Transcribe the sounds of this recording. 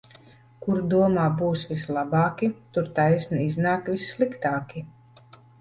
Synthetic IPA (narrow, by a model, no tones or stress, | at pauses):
kuɾd̪uɔmaːbuːsvʲislˠabɑːkʲit̪uɾt̪ajsniiznaːkvʲisːlˠikt̪aːkʲi